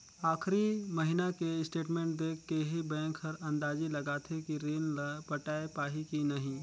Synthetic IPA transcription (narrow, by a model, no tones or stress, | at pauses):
aːxɾimɐɦɪnakeɪsʈeːʈmẽːɳʈ̚d̪eːkʰːeɦibɛ̃ːŋkɦɐɾɐ̃nd̪aːzilɐɡaːt̪ʰekiɾeːnpɐʈaːepaːɦikinɐɦĩː